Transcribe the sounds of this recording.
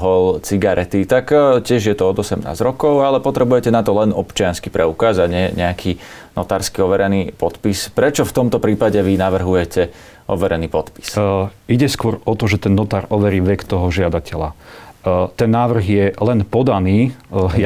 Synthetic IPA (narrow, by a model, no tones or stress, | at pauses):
ɦɔlt͡siɡaɾʔɛt̪it̪akcɪɛʒjɛt̪ɔɔd̪ɔsɛmna̰ːzɾɔkɔʊalɛpɔt̪ɾɛbujɛcɛnat̪ɔlɛnɔpt͡ʃɪanskipɾɛukaːzaɟɲɪɛɲɛakʰi | nɔt̪aːɾskiɔʋɛɾɛniːpɔt̪pispɾɛt͡ʃɔft̪ɔmt̪ɔpɾiːpaɟɛʋinaʋr̩ɦujɛcɛ | ʔɔ̰ʋɛɾɛniːpɔt̪pi̥siɟɛskʊɔɾɔt̪ɔʒɛt̪ɛnːɔt̪aːɾɔʋɛɾiːʋɛkt̪ɔɦɔʒɪad̪acɛla | t̪ɛnːaːʋr̩ɣjɛlɛnpɔd̪aniː